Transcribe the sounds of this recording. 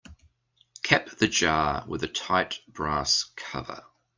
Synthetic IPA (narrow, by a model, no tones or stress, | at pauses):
kʰɛp̚ðəd͡ʒɑːwɪ̰ðətʰaɪʔb̥ɹɑˑskʰʌvə̰